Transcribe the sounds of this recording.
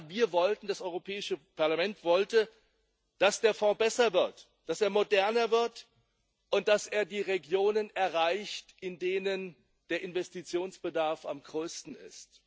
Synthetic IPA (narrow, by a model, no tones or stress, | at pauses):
viːɐvɔltn̩d̥asʔɔʏʁopʰɛːɪʃəpʰaɐlamɛntv̥ɔltə | d̥asd̥eːɐfɔ̃ːbɛsɐvɪɐt | d̥aseːɐmodɛɐnɐvɪɐt | ʔʊnt̚d̥aseːɐdiːʁeɡjoːnənɛɐʁaɪçtɪndeːnən | d̥eːɐʔɪnvɛstit͡sjoːnsb̥ədaɐfa̰mɡʁøːstn̩ɪ̰st